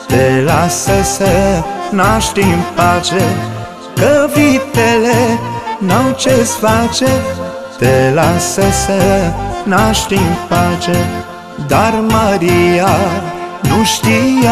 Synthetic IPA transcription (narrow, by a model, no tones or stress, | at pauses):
t̪elasəsənaʃt̪imfat͡ʃe | kəvit̪elenawt͡ʃesfat͡ʃe | t̪elasəsənaʃt̪infat͡ʃe | d̪arməɾia | nuʃt̪ija